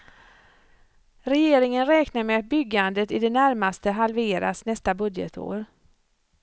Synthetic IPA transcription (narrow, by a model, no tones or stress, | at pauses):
ɾɛjeːɾɪŋənɾɛːknaɾmɛat̪̚bʏɡːand̪ət̪ɪd̪ɛnæɾmast̪əɦalveːɾa̰snɛst̪abɵd̪jə̰t̪ʰo̰ːɾ